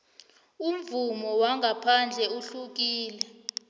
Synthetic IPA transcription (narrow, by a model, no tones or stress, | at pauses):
um̩vumɔwaŋɡʱapʰand͡ɮʱɛuɬuk̬iːlɛ